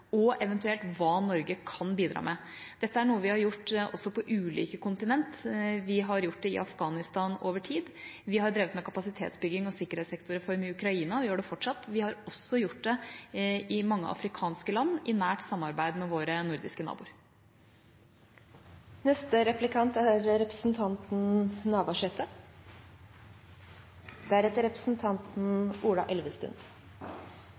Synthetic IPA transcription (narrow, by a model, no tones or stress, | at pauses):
ɔɛʋɛnt̪ʉɛlt̪ʋɑːnɔɾɡəkʰɑnbiːd̪ɾʔɑ̰ːmʔɛ | d̪̥ɛt̪ːəæɳuːəʋɪhɑɾjʊʈːʔɔsːɔpʰɔʔʉːlḭːkəkʊnt̪ɪnɛnt̪ʋɪɦɑɾjʊʈ̚ːɖ̪ɛɪ̰ʔɑfɡɑːnɪst̪ɑːnoːʋəʈʰiːd̪ʋɪɦɑɾɖ̪ɾeːʋət̪mɛkʰɑpɑsɪt̪ʰḛːt̪sbʏɡɪŋɔsɪkːəɾhɛːt̪sɛkt̪ʊɾɛfɔɾmɪʉkɾɑiːnɑʋɪjøːɖɛfɔʈʂɑt̪ːʋɪhɑɾɔsːɔjʊʈ̚ːd̪ɛ | ɪmɑŋːə̰ʔɑ̰fɾɪkʰɑːnskəlɑnːʔɪnæːʈsɑmːɑɾbæɪd̪mɛʋoːɾənʊɾd̪ɪ̰skənɑ̰ːbṵːɾ | nɛst̪əɾɛplɪkʰɑnt̪æɾɾɛpɾəsn̩t̪ʰɑnt̪n̩nɑːʋɑʂɛt̪ə | d̪̥ɛæɾɛt̪əɾɛpɾə̥sn̩t̪ʰɑnt̪n̩uːlɑ̰ʔɛlʋəst̪ʉ̰n